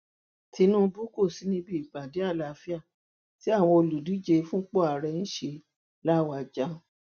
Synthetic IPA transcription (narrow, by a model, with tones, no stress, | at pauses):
ti˧˦nũ˦bu˦ko˦˨si˨˦nĩ˧˦bi˧˦i˨k͡pa˨de˨˦a˦˨la˨˦fi˦a˦˨ | ti˦a˦˨w̃ɔ̃˧o˧lu˨du˨˦d͡ʒe˧fũ˦k͡po˦a˨ɾɛ˧ñ̩˦ʃe˧ | la˦˨wa˧˨d͡ʒa˦˨